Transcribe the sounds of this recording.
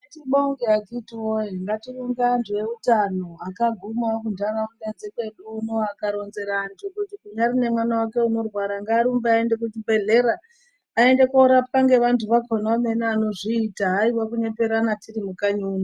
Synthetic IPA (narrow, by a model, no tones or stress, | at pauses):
etiɓoŋɡeaɡitiwoeŋɡatiruŋɡandijeutano̞akaɡʱumakundanamuned͡zekwe̞ɗuːnoakaɾo̞nze̞ɾaːntʰukutikuɲarine̞mwanawake̞uno̞rwaɾaŋɡaːɾumbeaendek̬utibʱe̞ɮe̞ɾaː | e̞nde̞koɾapkaŋɡe̞ʋantuʋakonamenaːno̞ʐiːtaɦaiwakuɲe̞pe̞ɾanatirimukaɲuuːni